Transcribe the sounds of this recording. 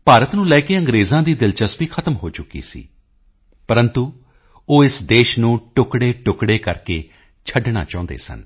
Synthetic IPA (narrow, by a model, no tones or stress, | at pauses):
paːɾət̪nũːlɛːkeːə̃ŋɡɾeːzãːd̪iːd̪ɪlt͡ʃəsbiːkʰət̪əmɦoːt͡ʃʊkːḭːsḭː | pəɾənt̪uː | oːɪsd̪eːʃnũːʈʊkɽeːʈʊkɽeːkəɾkeː | t͡ʃʰəɖɳa̰ːt͡ʃãːʊ̃nd̪ḛːsə̰n